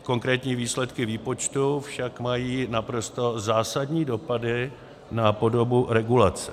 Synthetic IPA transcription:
ko̞ŋkɾɛːt̪ɲiːviːslɛt̪kɪviːpo̞t͡ʃt̪ufʃakmajiːnapɾo̞st̪o̞zaːsadɲiːdo̞padɪ | napo̞do̞buɾɛɡulat͡sɛ̥

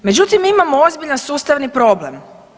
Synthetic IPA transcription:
me̞d͡ʑut̪imimamoozbiʎansuːst̪aʋnipɾo̞ble̞m

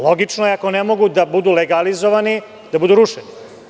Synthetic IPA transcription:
lˠo̞ɡit͡ʂnojeakonemo̞ɡud̪abud̪uleɡalizoʋani | d̪abud̪uɾuʃeni

